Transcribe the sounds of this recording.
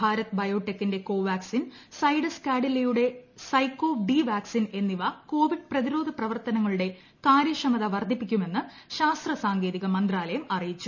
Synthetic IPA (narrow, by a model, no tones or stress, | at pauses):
bʱaːɾɐt̪ːɨbɐjo̞ːʈːek̚t̪ːinde̞ko̞ːʋaːksin | sɐjɽɐskaːɖilːɐjuɽe̞sɐjkːo̞ːɖiʋaːksine̞nːiʋɐko̞ːʋiɖ̚prɐðiɾo̞ːd̪ʱɐprɐʋɐrt̪ɐnɐŋːɐɭuɽe̞ | kaːɾjɐʂɐmɐðɐʋɐrd̪ʱipːikʲːume̞nːɨ | ɕaːst̪rɐsaːŋɡe̞ːðiɣɐmɐnd̪raːlɐjɐmɐrijit͡ɕːu